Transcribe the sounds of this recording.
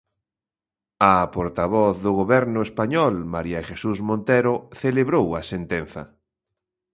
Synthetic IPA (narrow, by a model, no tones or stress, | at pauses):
ɐpoɾt̪aβɔθðʊɣoβɛɾnʊespaɲɔlmaɾiɐʃesusmõnt̪eɾoθeleβɾowɐsent̪en̟θɐ̰